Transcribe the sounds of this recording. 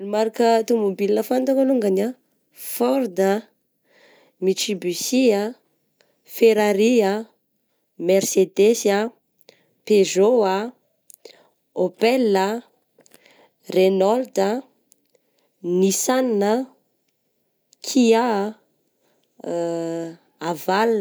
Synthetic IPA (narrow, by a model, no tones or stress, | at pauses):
lumaɾakət̪umubilnəfant̪akaluŋɡana | fɔɾd̪ə | miʈ͡ʂibysia | feɾaɾia | mersed̪esa | pezoa | opɛlə | renɔld̪ə | nisaninə | kʰia | aval